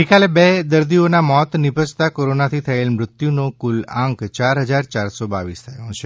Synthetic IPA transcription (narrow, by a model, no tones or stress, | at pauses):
ɦekalebed̪əɾd̪ionamɔt̪nɪbʱəd͡ʒt̪akoɾonat̪ʰit̪ʰəelmɾʊt̪junokʊlãŋkt͡ʃaɾɦəd͡ʒaɾt͡ʃaɾsɔba̰ʋist̪ʰəjõt͡ʃʰe